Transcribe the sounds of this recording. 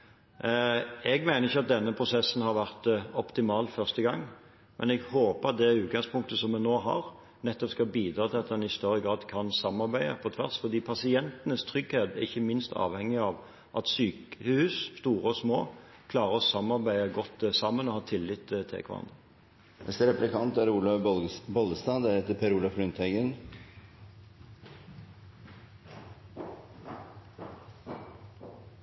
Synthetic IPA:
ɛɡmæɪnəʁɪçːɑt̪̚d̪ɛnːəpʰɾʊsɛsːnhɑɾʋæʁt̪ɔpt̪ɪmɑːlfœʁst̪əɡɑŋː | mʔɛ̰nɛɡhoːpəʁɑt̪̚d̪ɛʉːt̪̚ɡɑŋspʊŋk̚t̪əsɔmːɛnoːɦɑ̰ʁ | nɛt̪ːɔpskɑlbiːd̪ɾɑːt̪ʰɪlɑt̪d̪ɛnɪst̪œʁːəɡɾɑːd̪kʰɑnsɑmːɑɾbæɪə̰pʰɔt̪ʰʋæʁsfɔʁd̪iːpʰɑsɪɛnt̪ənəst̪ʰɾʏɡheːt̪æʁɪçːəmɪnst̪ʰɑ̰ːʋhɛŋːɪɑʋ | ʔɑt̪syːkəhʉːsst̪uːʁəɔsmoː | kʰlɑːʁəɔsɑmːɑʁbæɪəɡɔt̪ːsɑmənɔhɑːt̪ʰɪlɪt̪ʰːt̪ʰːɛ̰kʰʋɑ̰ɑ̰ɑ̰nd̪ə | ɛst̪əɾɛplɪkʰɑnt̪æɾuːlɑbɔld̪əst̪ɑːd̪æɾɛt̪ːəpʰeːɾuːlɑfɾʉnt̪ʰɛɡən

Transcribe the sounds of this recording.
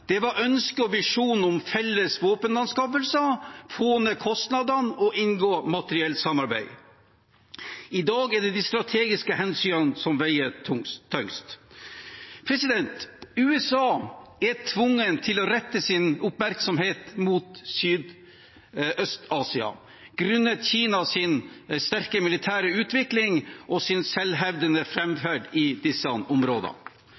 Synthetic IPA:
d̪̥ɛʋɑɾœnskəɔʋɪʂuːn̩ɔmfɛlːəsʋoːpənlɑnskɑːpəlsəfoːnəkʰɔst̪nɑd̪ɑnɔʔɪnɡoːmɑt̪əɾɪɛlt̪sɑmːɑɾbæ̰ɪ | ɪd̪ɑːɡɛɖɛd̪ist̪ɾɑt̪ʰeːɡɪskəhɛnsyːnənsɔmʋæɪət̪ʰʊŋʰːœŋst̪ | pʰɾɛsɪd̪ɛnt̪ʉːɛsɑːæʈʰʋʊŋːənt̪ʰɪlɔɾɛt̪ːəsɪnʊpmæɾksɔmheːt̪muːt̪syːd̪ | ʔœst̪ɑːsɪɑ̰ | ɡ̥ɾʉnːət̪çiːnɑsɪnst̪æɾkəmɪlɪt̪ʰæːɾəʉːt̪ʋɪklɪŋʔɔsɪnsɛlɦɛʋd̪ənəfɾɛmfæɖɪd̪ɪsəʔɔmɾoːd̪ɑ̰

